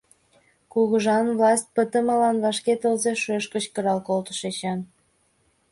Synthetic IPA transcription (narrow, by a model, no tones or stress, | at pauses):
kuɣəʒɑnvlɑst̪̚pət̪ə̆məlɑnβɑʃket̪əlzeʃøʃkət͡ɕkəɾɑlkolt̪ə̥ʃet͡ɕɑn